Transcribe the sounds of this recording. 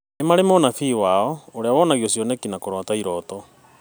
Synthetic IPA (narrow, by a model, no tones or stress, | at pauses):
emaɾemonafiːwaːɔoɾeawɔnaɣiɔsjɔnɛkinakoɾwataiɾɔtɔ